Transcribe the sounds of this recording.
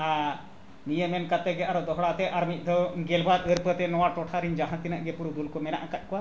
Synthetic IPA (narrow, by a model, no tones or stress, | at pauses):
a | mijəmɛnkat̪ɛɡɛaɾɔd̪ɔɦɽat̪ɛʔaɾmit̪̚ˀd̪ʱɔɡɛlbaɾəɾpət̪ɛnɔwaʈɔʈʰaɾiɲd͡ʒaɦãt̪inaʔɡɛpuɾud̪ulkɔmɛna̰ʔakat̪̚ˀkɔwa